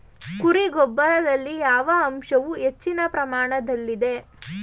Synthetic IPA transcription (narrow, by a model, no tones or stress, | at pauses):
kuɾiɡɔbːɐɾɐd̪ɐlːijaːʋɐːmʃɐʋuet͡ʃːinɐpɾɐmaːɳɐd̪ɐlːid̪e̞